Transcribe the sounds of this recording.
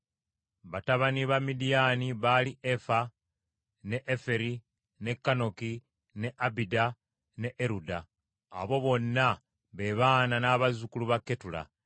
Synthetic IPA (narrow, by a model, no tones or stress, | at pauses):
βataβaniβamːidijaniβaliʔefa | ne̞ʔefe̞ɾi | ne̞kːano̞ki | ne̞ʔabida | ne̞ʔeɾuda̰ː | βo̞βo̞nːa | βe̞βaːnanaːβazukuluβakːe̞tula̰